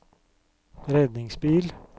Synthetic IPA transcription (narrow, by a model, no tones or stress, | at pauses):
ɾɛd̪nɪŋsbiːl